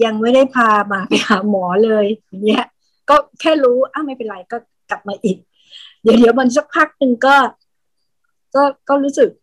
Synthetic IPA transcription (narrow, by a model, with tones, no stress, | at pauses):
ja˧ŋma˥˩jda˥˩jpʰaː˧maː˧pa˧a˦˧˩mɔː˩˦lɤː˧ja˨˩ŋni˦˥ɐ | kɔː˥˩kʰɛː˥˩ɾuː˦˥ʔa˥˩ma˥˩jpe˧nɾa˧jkɔː˥˩ | kla˨˩p̚maː˧ʔiː˨˩k̚ | di˨˩˦di˩˦wma˧n˥s̬a˦˥˩k̚pʰaː˥˩k̚nɯ˧ŋkɔː˥˩ | kɔː˥˩kɔː˥˩ɾuː˦˥sɯ˨˩k̚